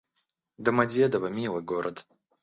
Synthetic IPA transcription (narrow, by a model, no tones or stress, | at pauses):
d̪ɐmɐdʲed̪ɐvɐmʲilˠɨɡoɾʔɐd̪